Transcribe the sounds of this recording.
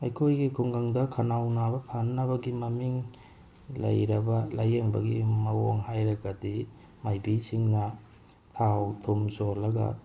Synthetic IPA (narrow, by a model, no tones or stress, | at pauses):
ɐjkʰojɡikʰuŋɡɐŋdɐkʰɐnawnabɐpʰanːɐbɐɡimɐmiŋ | lɐ̰jɾɐbɐlajeŋbɐ̰ɡḭmɐwoŋhajɾɐɡɐdi | majbisiŋnɐ | tʰawtʰomsolɐɡɐ̰